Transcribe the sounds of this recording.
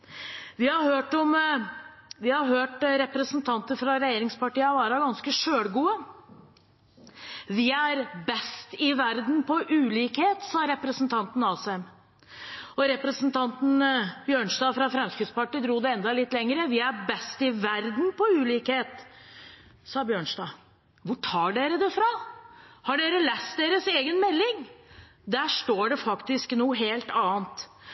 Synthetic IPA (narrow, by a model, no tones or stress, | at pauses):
ʋɪhɑɾhøːʈɔm | ʋɪhɑɾɦøːʈɾɛpɾəsənt̪ʰɑnt̪əɾfɾɑɾɛjeːɾɪŋspɑʈiːɑʋɑːɾɑɡɑnskəʂøːɽɡuːə | ʋɪæɾbɛst̪ɪʋæɾd̪n̩pʰɔʔʉːliːkheːt̪sɑːɾɛpɾəsnt̪ʰɑnt̪n̩ɑːsɛm | ɔɾɛpɾəsənt̪ʰɑnt̪n̩bjøːɳʂd̪ɑːfɾɑfɾɛmskɾɪt̪spɑʈːiːd̪ɾuːd̪ɛɛnd̪ɑlɪt̪ːlɛŋɾəʋɪæɾbɛst̪ɪʋæɾd̪n̩pɔʉːliːkheːt̪ | sɑːbjøːɳʂdɑː | ʋʊʈʰɑːɖeːɾəd̪ɛfɾɑ | hɑɖeːɾəlɛst̪̚d̪eːɾəseːɡənmɛlːɪŋ | d̪æʂʈoːɖɛfɑkt̪ɪsknuːəɦeːlt̪ɑːnt̪